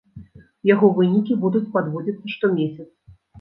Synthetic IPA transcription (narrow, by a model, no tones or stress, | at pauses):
jaɣɔvɨnʲikʲibud̪ut͡sʲpad̪vɔd͡zʲit̪sːɐʂt̪ɔmʲesʲɐt̪s